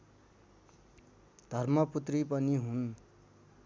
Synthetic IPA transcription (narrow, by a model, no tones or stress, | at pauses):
d̪ʱʌrmʌput̪ripʌniɦun